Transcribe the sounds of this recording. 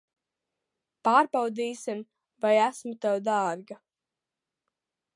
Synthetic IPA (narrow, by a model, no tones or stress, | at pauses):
paːɾbawd̪iːsim | vajæsmut̪ɛwd̪aːɾɡa